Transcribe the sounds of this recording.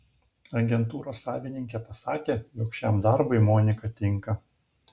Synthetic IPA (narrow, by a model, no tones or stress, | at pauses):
ɐɡʲɛnt̪uːɾoːsːɑːʋʲɪnʲɪŋʲkʲepɐsɑːkʲeːjoːkʃʲɛmd̪ɐɾbɐɪmɔːnʲɪkɐt̪ʲɪŋkɐ